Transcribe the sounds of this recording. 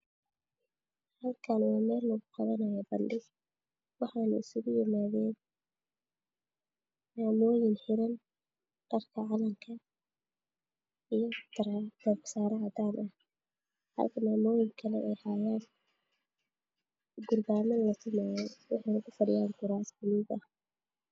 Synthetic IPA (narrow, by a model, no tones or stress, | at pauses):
hɐlkʰanwɑːmɛːlːɔɣʊqɑðɐnɐjaːbɐnɖɪɡ | wɑħɑːnɐ̰ɪsʊɣʊjɪmaːðɛːn | maːmɔːjɪnħɪɾɐn | ɖ̪̥ɐrkʰɐʕɑlɐmkʰɐ | ijɞt̪ɾd̪̥ɐksaːɾɐʕd̪aːnʔɐh | hɐ̰lkʰɐmaːmɔːjɪŋkʰɐlɛʔɛjhaːjaːn | ɡʊrbaːmɐlɐt̪ʰɪmajɛwɑħɑjnɐɣʊfɐdɪjaːŋɡʊɾaːsɡʊliːbɐh